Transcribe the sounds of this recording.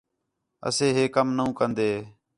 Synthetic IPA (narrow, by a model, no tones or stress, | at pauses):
ə̰sẽːɦeːkəmnəũːkənd̪eː